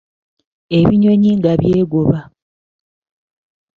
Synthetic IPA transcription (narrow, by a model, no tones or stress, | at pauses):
e̞βiɲo̞ɲiŋɡaβjeːɡoβa